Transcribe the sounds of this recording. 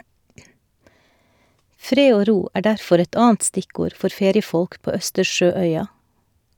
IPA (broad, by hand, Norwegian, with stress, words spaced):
ˈfɾeː ˈoː ˈɾuː ˈæː ˈɖæɾfɔɾ ˈɛt ˈɑːn̩t ˈstɪˌkuːɾ ˈfɔɾ ˈfeːɾɪəˌfɔlk ˈpoː ˈœstəɾˌʃøːˌœʏɑ